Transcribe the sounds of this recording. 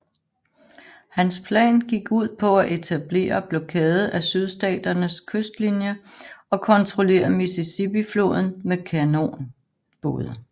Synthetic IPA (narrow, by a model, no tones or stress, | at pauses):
hænspʰlɛ̰ːnɡ̥iɡ̥uð̞̰ˠpʰɒ̽æʔe̝t͡sʰæb̥le̝̰ːɐb̥lɒkʰɛːð̞̩ˠæsyð̞ˠsd̥ɛ̰ːd̥ɐnəskʰøsd̥linjəɒ̽kʰɒ̽nt͡sʰʁo̝le̝̰ːɐmisesib̥iflo̝̰ːð̞ˠn̩mekʰæno̝̰ːn | b̥oːð̞ˠə